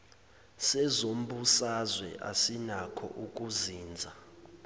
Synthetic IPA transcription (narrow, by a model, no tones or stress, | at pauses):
sɛzom̩busazwɛ̰ʔa̰sinakʰɔ̰ʔuk̬ʼuziːnd͡zʱa